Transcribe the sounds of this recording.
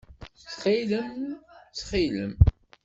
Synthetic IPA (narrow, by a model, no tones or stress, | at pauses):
t͡sχiləmt͡sːχiləm